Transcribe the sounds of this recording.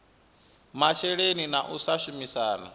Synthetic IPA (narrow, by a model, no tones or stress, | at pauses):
mat͡ʃʰɛɺeninaʔusaʃumisaːna̰